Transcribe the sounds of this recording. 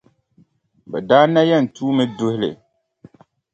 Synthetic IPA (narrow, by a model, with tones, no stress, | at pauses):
bɛ˨daː˦na˦jɛ˦˨n̩˨tuː˦mɨ˦dʊ˦hɪ˦lɨ̰˨